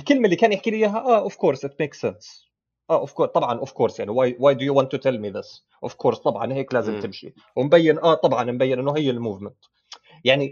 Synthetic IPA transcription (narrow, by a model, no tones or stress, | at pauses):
ɪlkɪlmalːiːkaːnjɪħkiliɦaʔaʔɔv̥koːɾsɪt̪meːksɛns | ʔaʔɔv̥koɾt̪ˤɑbʕɑnʔɔv̥koːɾsjaʕniwaːjwaːjd̪ʊjuwɑnt̪ːʊt̪ɛlmiðɪs | ʔɔv̥kʰoːɾst̪ˤɑbʕɑ̰nheːklaːzɪmt̪ɪmʃḭ | wɪmbajːɪnʔat̪ˤɑbʕɑnmbajːɪnʔɪnːʊɦɪjːɪlmuːvmɪnt̪ | jaʕni